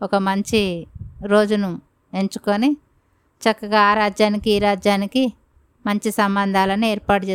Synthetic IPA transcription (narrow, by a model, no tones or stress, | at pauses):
ɔkɐmɐɲt͡ʃiɾo̞ːd͡ʒunu | e̞ɲt͡ʃu̥koni | t͡ʃɐkːɐɡaːɾaːd͡ʒjaːnikiːɾaːd͡ʒjaːniki | mɐɲt͡ʃisɐmbɐnd̪ʱaːlɐnieːɾpaːʈt͡ʃeː